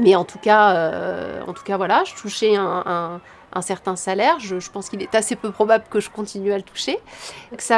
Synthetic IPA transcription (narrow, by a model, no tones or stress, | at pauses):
mɛɑ̃t̪ukaøɑ̰̃t̪u̥kavwalaʒət̪uʃɛɛ̃ɛ̃ | ʔɛ̃sɛʁt̪ɛ̃salɛʁʒəʒəpɑ̃skilɛt̪asepøpχɔbabləkəʒəkɔ̃t̪inyalət̪ʰu̥ʃekə̥sa